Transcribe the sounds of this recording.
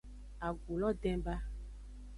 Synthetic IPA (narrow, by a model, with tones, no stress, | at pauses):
a˨ɡu˨lɔ˦ɖɛ̃˦ba˦